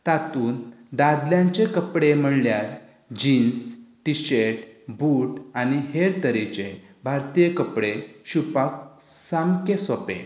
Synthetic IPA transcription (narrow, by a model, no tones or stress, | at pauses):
t̪at̪uːnd̪ad̪ljãɲt͡ɕekəpɽem̤əɽljaɾ | d͡ʑinsʈiɕeʈbʱuʈaniheɾt̪əɾit͡ɕe | bʱaɾt̪ijekəpɽeɕupak̚saŋkesɔpḛ̃